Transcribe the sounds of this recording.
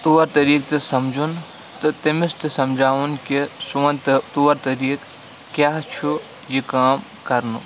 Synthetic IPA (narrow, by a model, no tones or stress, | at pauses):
t̪uʋɐɾt̪ɐɾiːk̚t̪isɐmd͡ʒʱun | t̪t̪imɪst̪isɐmd͡ʒʱaːʋunkesuɐnt̪t̪uːɐɾt̪ɐɾiːk | kjaːɦt͡ʃʰu | jikaːm | kɐɾnu